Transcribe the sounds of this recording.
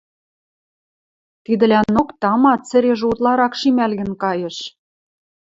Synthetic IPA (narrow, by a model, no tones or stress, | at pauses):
t̪id̪ɘ̆lænokt̪ɑmɑt̪t͡sɘ̆ɾeʒut̪lɑɾɑkʃimælɣɘ̆nkɑjɤ̆ʃ